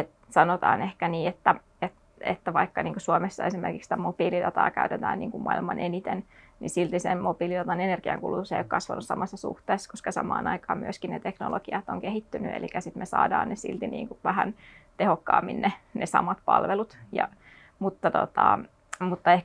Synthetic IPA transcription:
et̪ | sɑnot̪ɑːnehkæniːet̪ːæ | et̪ | ḛt̪ːæʋɑikːɑniːŋkosuomesːɑesimerkiksit̪æmopiːlid̪ɑt̪ɑːkæyt̪et̪æːnniːŋkummɑilmɑnʔenit̪ennisilt̪isemmopiːlidɑt̪ɑnenerɡ̥iɑŋkulut̪useijokkɑsʋɑnussɑmɑsːɑsṵht̪eːsːkoskɑsɑ̰mɑ̰ːnɑikɑːmmyøskinnet̪ekno̰loɡiɑt̪oŋkehit̪ːynyḛlikæsit̪mesɑ̰ːdɑːnnesḭlt̪inḭːŋkuʋæhænt̪ehokːɑːmːinnenʔesɑ̰mɑt̪̚pɑ̰lʋelut̪jɑ | mut̪ːɑt̪ot̪ɑ | mut̪ːɑeh

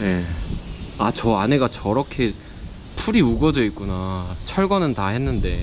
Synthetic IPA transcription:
je̞ | at͡ɕʌane̞ɡat͡ɕʌɾʌkʰe̞ | pʰuɾiuɡʌd͡ʑʌik͈unat͡ɕʰʌɭɡʌnɯntaɦe̞nːɯnde̞

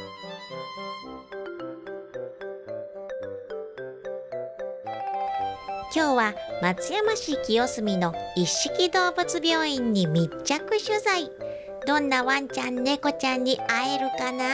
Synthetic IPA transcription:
kʲo̞ːβamat͡sɨjamaɕiːkʲio̞sɨmʲino̞iɕːi̥kʲid̪o̞ːbɯ̟t͡sɨbʲo̞ːĩɲ̟ːimʲit͡ɕːakɯ̟ɕɨzai | d̪õ̞nːaβãɲ̟t͡ɕãnːe̞ko̞t͡ɕãɲ̟ːiae̞ɾɯ̟kana

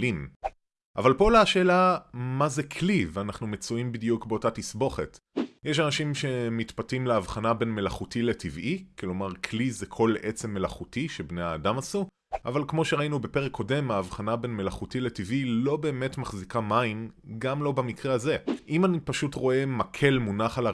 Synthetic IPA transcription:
im | ʔavalpo̞leaʃe̞ːlamaze̞kʰlivanaχnumet͡suimbidjukbeo̞tatisbo̞χe̞̰t | jeʃ̬anaʃimʃe̞mitpatimleavχanabe̞nme̞laχutile̞tivʔiklo̞maʁkʰlizekʰo̞lʔe̞t͡se̞mːe̞laχutiʃe̞bne̞jaːdamasu | ʔavalkmo̞ʃeʁainube̞pe̞ʁekʰːo̞de̞maːvχanabe̞nme̞laχutile̞tivʔilo̞be̞ːme̞tmaχzikamainɡamlo̞bamikʁeaze̞ʔimanipaʃutʁo̞e̞makʰe̞lmunaχala

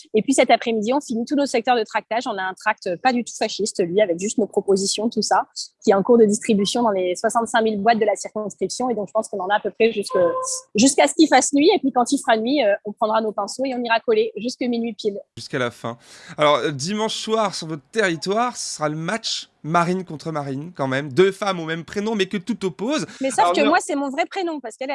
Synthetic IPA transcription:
epɥisɛt̪apχɛmid̪iɔ̃finit̪unosɛk̚t̪œʁd̪ət̪χak̚t̪aʒɔ̃naɛ̃t̪χak̚t̪øpad̪yt̪u̥faʃist̪lɥiavɛkʒyst̪nopχɔpozisjɔ̃t̪usakʲiɛɛ̃kuʁd̪əd̪ist̪χibysjɔ̃d̪ɑ̃leswasɑ̃t̪sɛ̃milbwat̪̚d̪əlasiʁkɔ̃skχipsjɔ̃ed̪ɔ̃kʒəpɑ̃skɔ̃nɑ̃naːpøpχɛʒyskəʒyskasə̥kʲilfasnɥiepɥikɑ̃t̪ilfəʁanɥiøɔ̃pχɑ̃d̪ʁanopɛ̃soeɔ̃niʁakɔleʒyskəminɥipilʒyskalafɛ̰̃alɔʁd̪imɑ̃ʃswaʁsyʁvɔt̪χət̪eʁit̪waʁsə̥səʁaləmat͡ʃmaʁinkɔ̃t̪χəmaʁinkɑ̃mɛmd̪øfamomɛmpχenɔ̃mɛkət̪ut̪ɔpozmɛsavkəmwasɛmɔ̃vʁɛpχenɔ̃paʁsə̥kɛlɛ

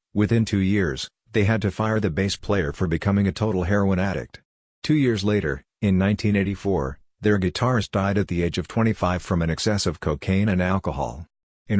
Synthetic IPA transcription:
wɨθɪ̃ntʰʉjɪɹz̥ | ðeɪɨd̚tɨfaɪə˞ðɨbeɪspʰl̥eɪə˞fə˞bɨkʰʌmɪ̃ŋɨtʰoʊɾl̩ˠɦɛɹoʊə̃næɾɨ̰k̚t | tʰʉjɪɹzleɪɾə̰˞ | ɨ̃nːãɪ̃ntʰĩneɪɾifɔɹ | ðə˞ɡɨtʰɑɹɨsd̥aɪɾɨt̪̚ðieɪd͡ʒʌv̥tʰw̥ɛ̃ɾ̃ifaɪv̥fɹʌ̃mɨ̃ñɨksɛsɨv̥kʰoʊkʰẽɪ̃ñɨ̃nælˠkəhɑ̰lˠ | ɨ̃n

